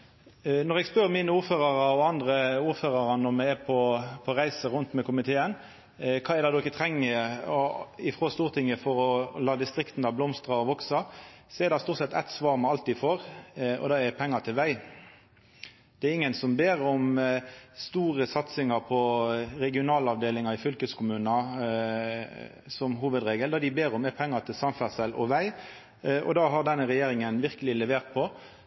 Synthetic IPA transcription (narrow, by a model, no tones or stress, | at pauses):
nɔʁɛɡspœɾmiːnəuːɾføːɾɑɾɑɔɑnd̪ɾəuːɾføːɾɑɾɑnːɔmɛɛpʰɔpʰɔɾæɪsəɾʊnt̪mɛkʊmɪt̪ʰeːən | kʰɑːɛd̪ɑd̪ʊɪkːət̪ʰɾɛŋːə | ɪfɾoːst̪uːʁt̪ʰɪŋəfɔɾɔlɑːd̪ɪst̪ɾɪkt̪n̩d̪ɑblɔmst̪ɾɑɔʋɔksɑsɔɛɾd̪ɑst̪uːɾt̪sɛt̪ːæ̰ɪt̪sʋɑːʁmɛɑlt̪ɪfoːɾɔ̰d̪ɑɛpʰɛŋːɑt̪ʰɪlʋæɪ | d̪̥ɛɛɾɪŋːənsɔmbeːɾɔm | st̪uːʁəsɑt̪sɪŋɑɾpʰɔɾɛɡɪʊnɑːləɑʋd̪eːlɪŋɑɾɪfʏlkəskʊmʉːnɑ | sɔmɦuːʋəd̪ɾeːɡəld̪ɑd̪ɪbeːɾɔmɛpʰɛŋːɑt̪ʰɪlsɑnfæʁsɛlʔɔ̰ʋæɪ | ʔɔ̰d̪ɑːɦɑʁd̪ɛnːəʁɛjeːɾɪŋənʋɪʁkəlɪlɛʋeːʁt̪̚pʰɔ